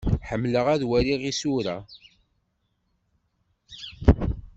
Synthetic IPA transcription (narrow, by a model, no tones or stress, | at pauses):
ħəmːləʁæðwæɾiʁisuɾæ